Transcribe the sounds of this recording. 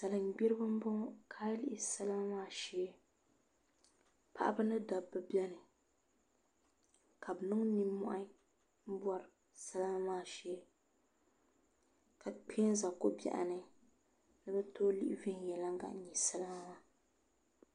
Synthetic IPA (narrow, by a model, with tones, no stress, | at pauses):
sa˨lɨ˨ŋ˨ɡ͡bi˦ɾɨ˦bɨ˦m˦bɔ˦kʰaː˦li˦ʔɪ˨sa˦la˦m˦maː˦ʃɛ˦ | pʰa̰˨ʔa˦ba˦nɨ˦da˨bːɨ˦bi˦ɛ˦nɨ˨ | ka˨bɨ˨nɨ˦ŋ˦ni˦mɔ̰˦ʔa˦ | m̩˦bwa˨ɾɨ˨ | sa˦la˦m˦maː˦˨ʃɛ˦ | ka˨k͡pʰe˦nza˨ko˦bɛ̰˨ʔa̰˨nɨ˨ | nɨ˦bɛ˦toː˦lḭ˦ʔɪ̰˦ve˦n˨jɛ˨la˦ŋ˦ɡa̰˨ʔ̩˨ɲɛ˨sa˦la˦ŋ˦wa˦